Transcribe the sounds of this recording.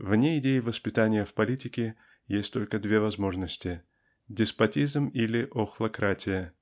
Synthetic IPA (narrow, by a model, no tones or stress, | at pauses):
vnʲeɪdʲejɪvəspʲɪt̪anʲɪjəfpɐlʲitʲɪkʲɪ | jesʲtʲt̪o̞lʲkəd̪vʲe̞vɐzmo̞ʐnəsʲtʲɪ | dʲɪspɐtʲizmilʲɪʔoxlˠɐkɾatʲɪjə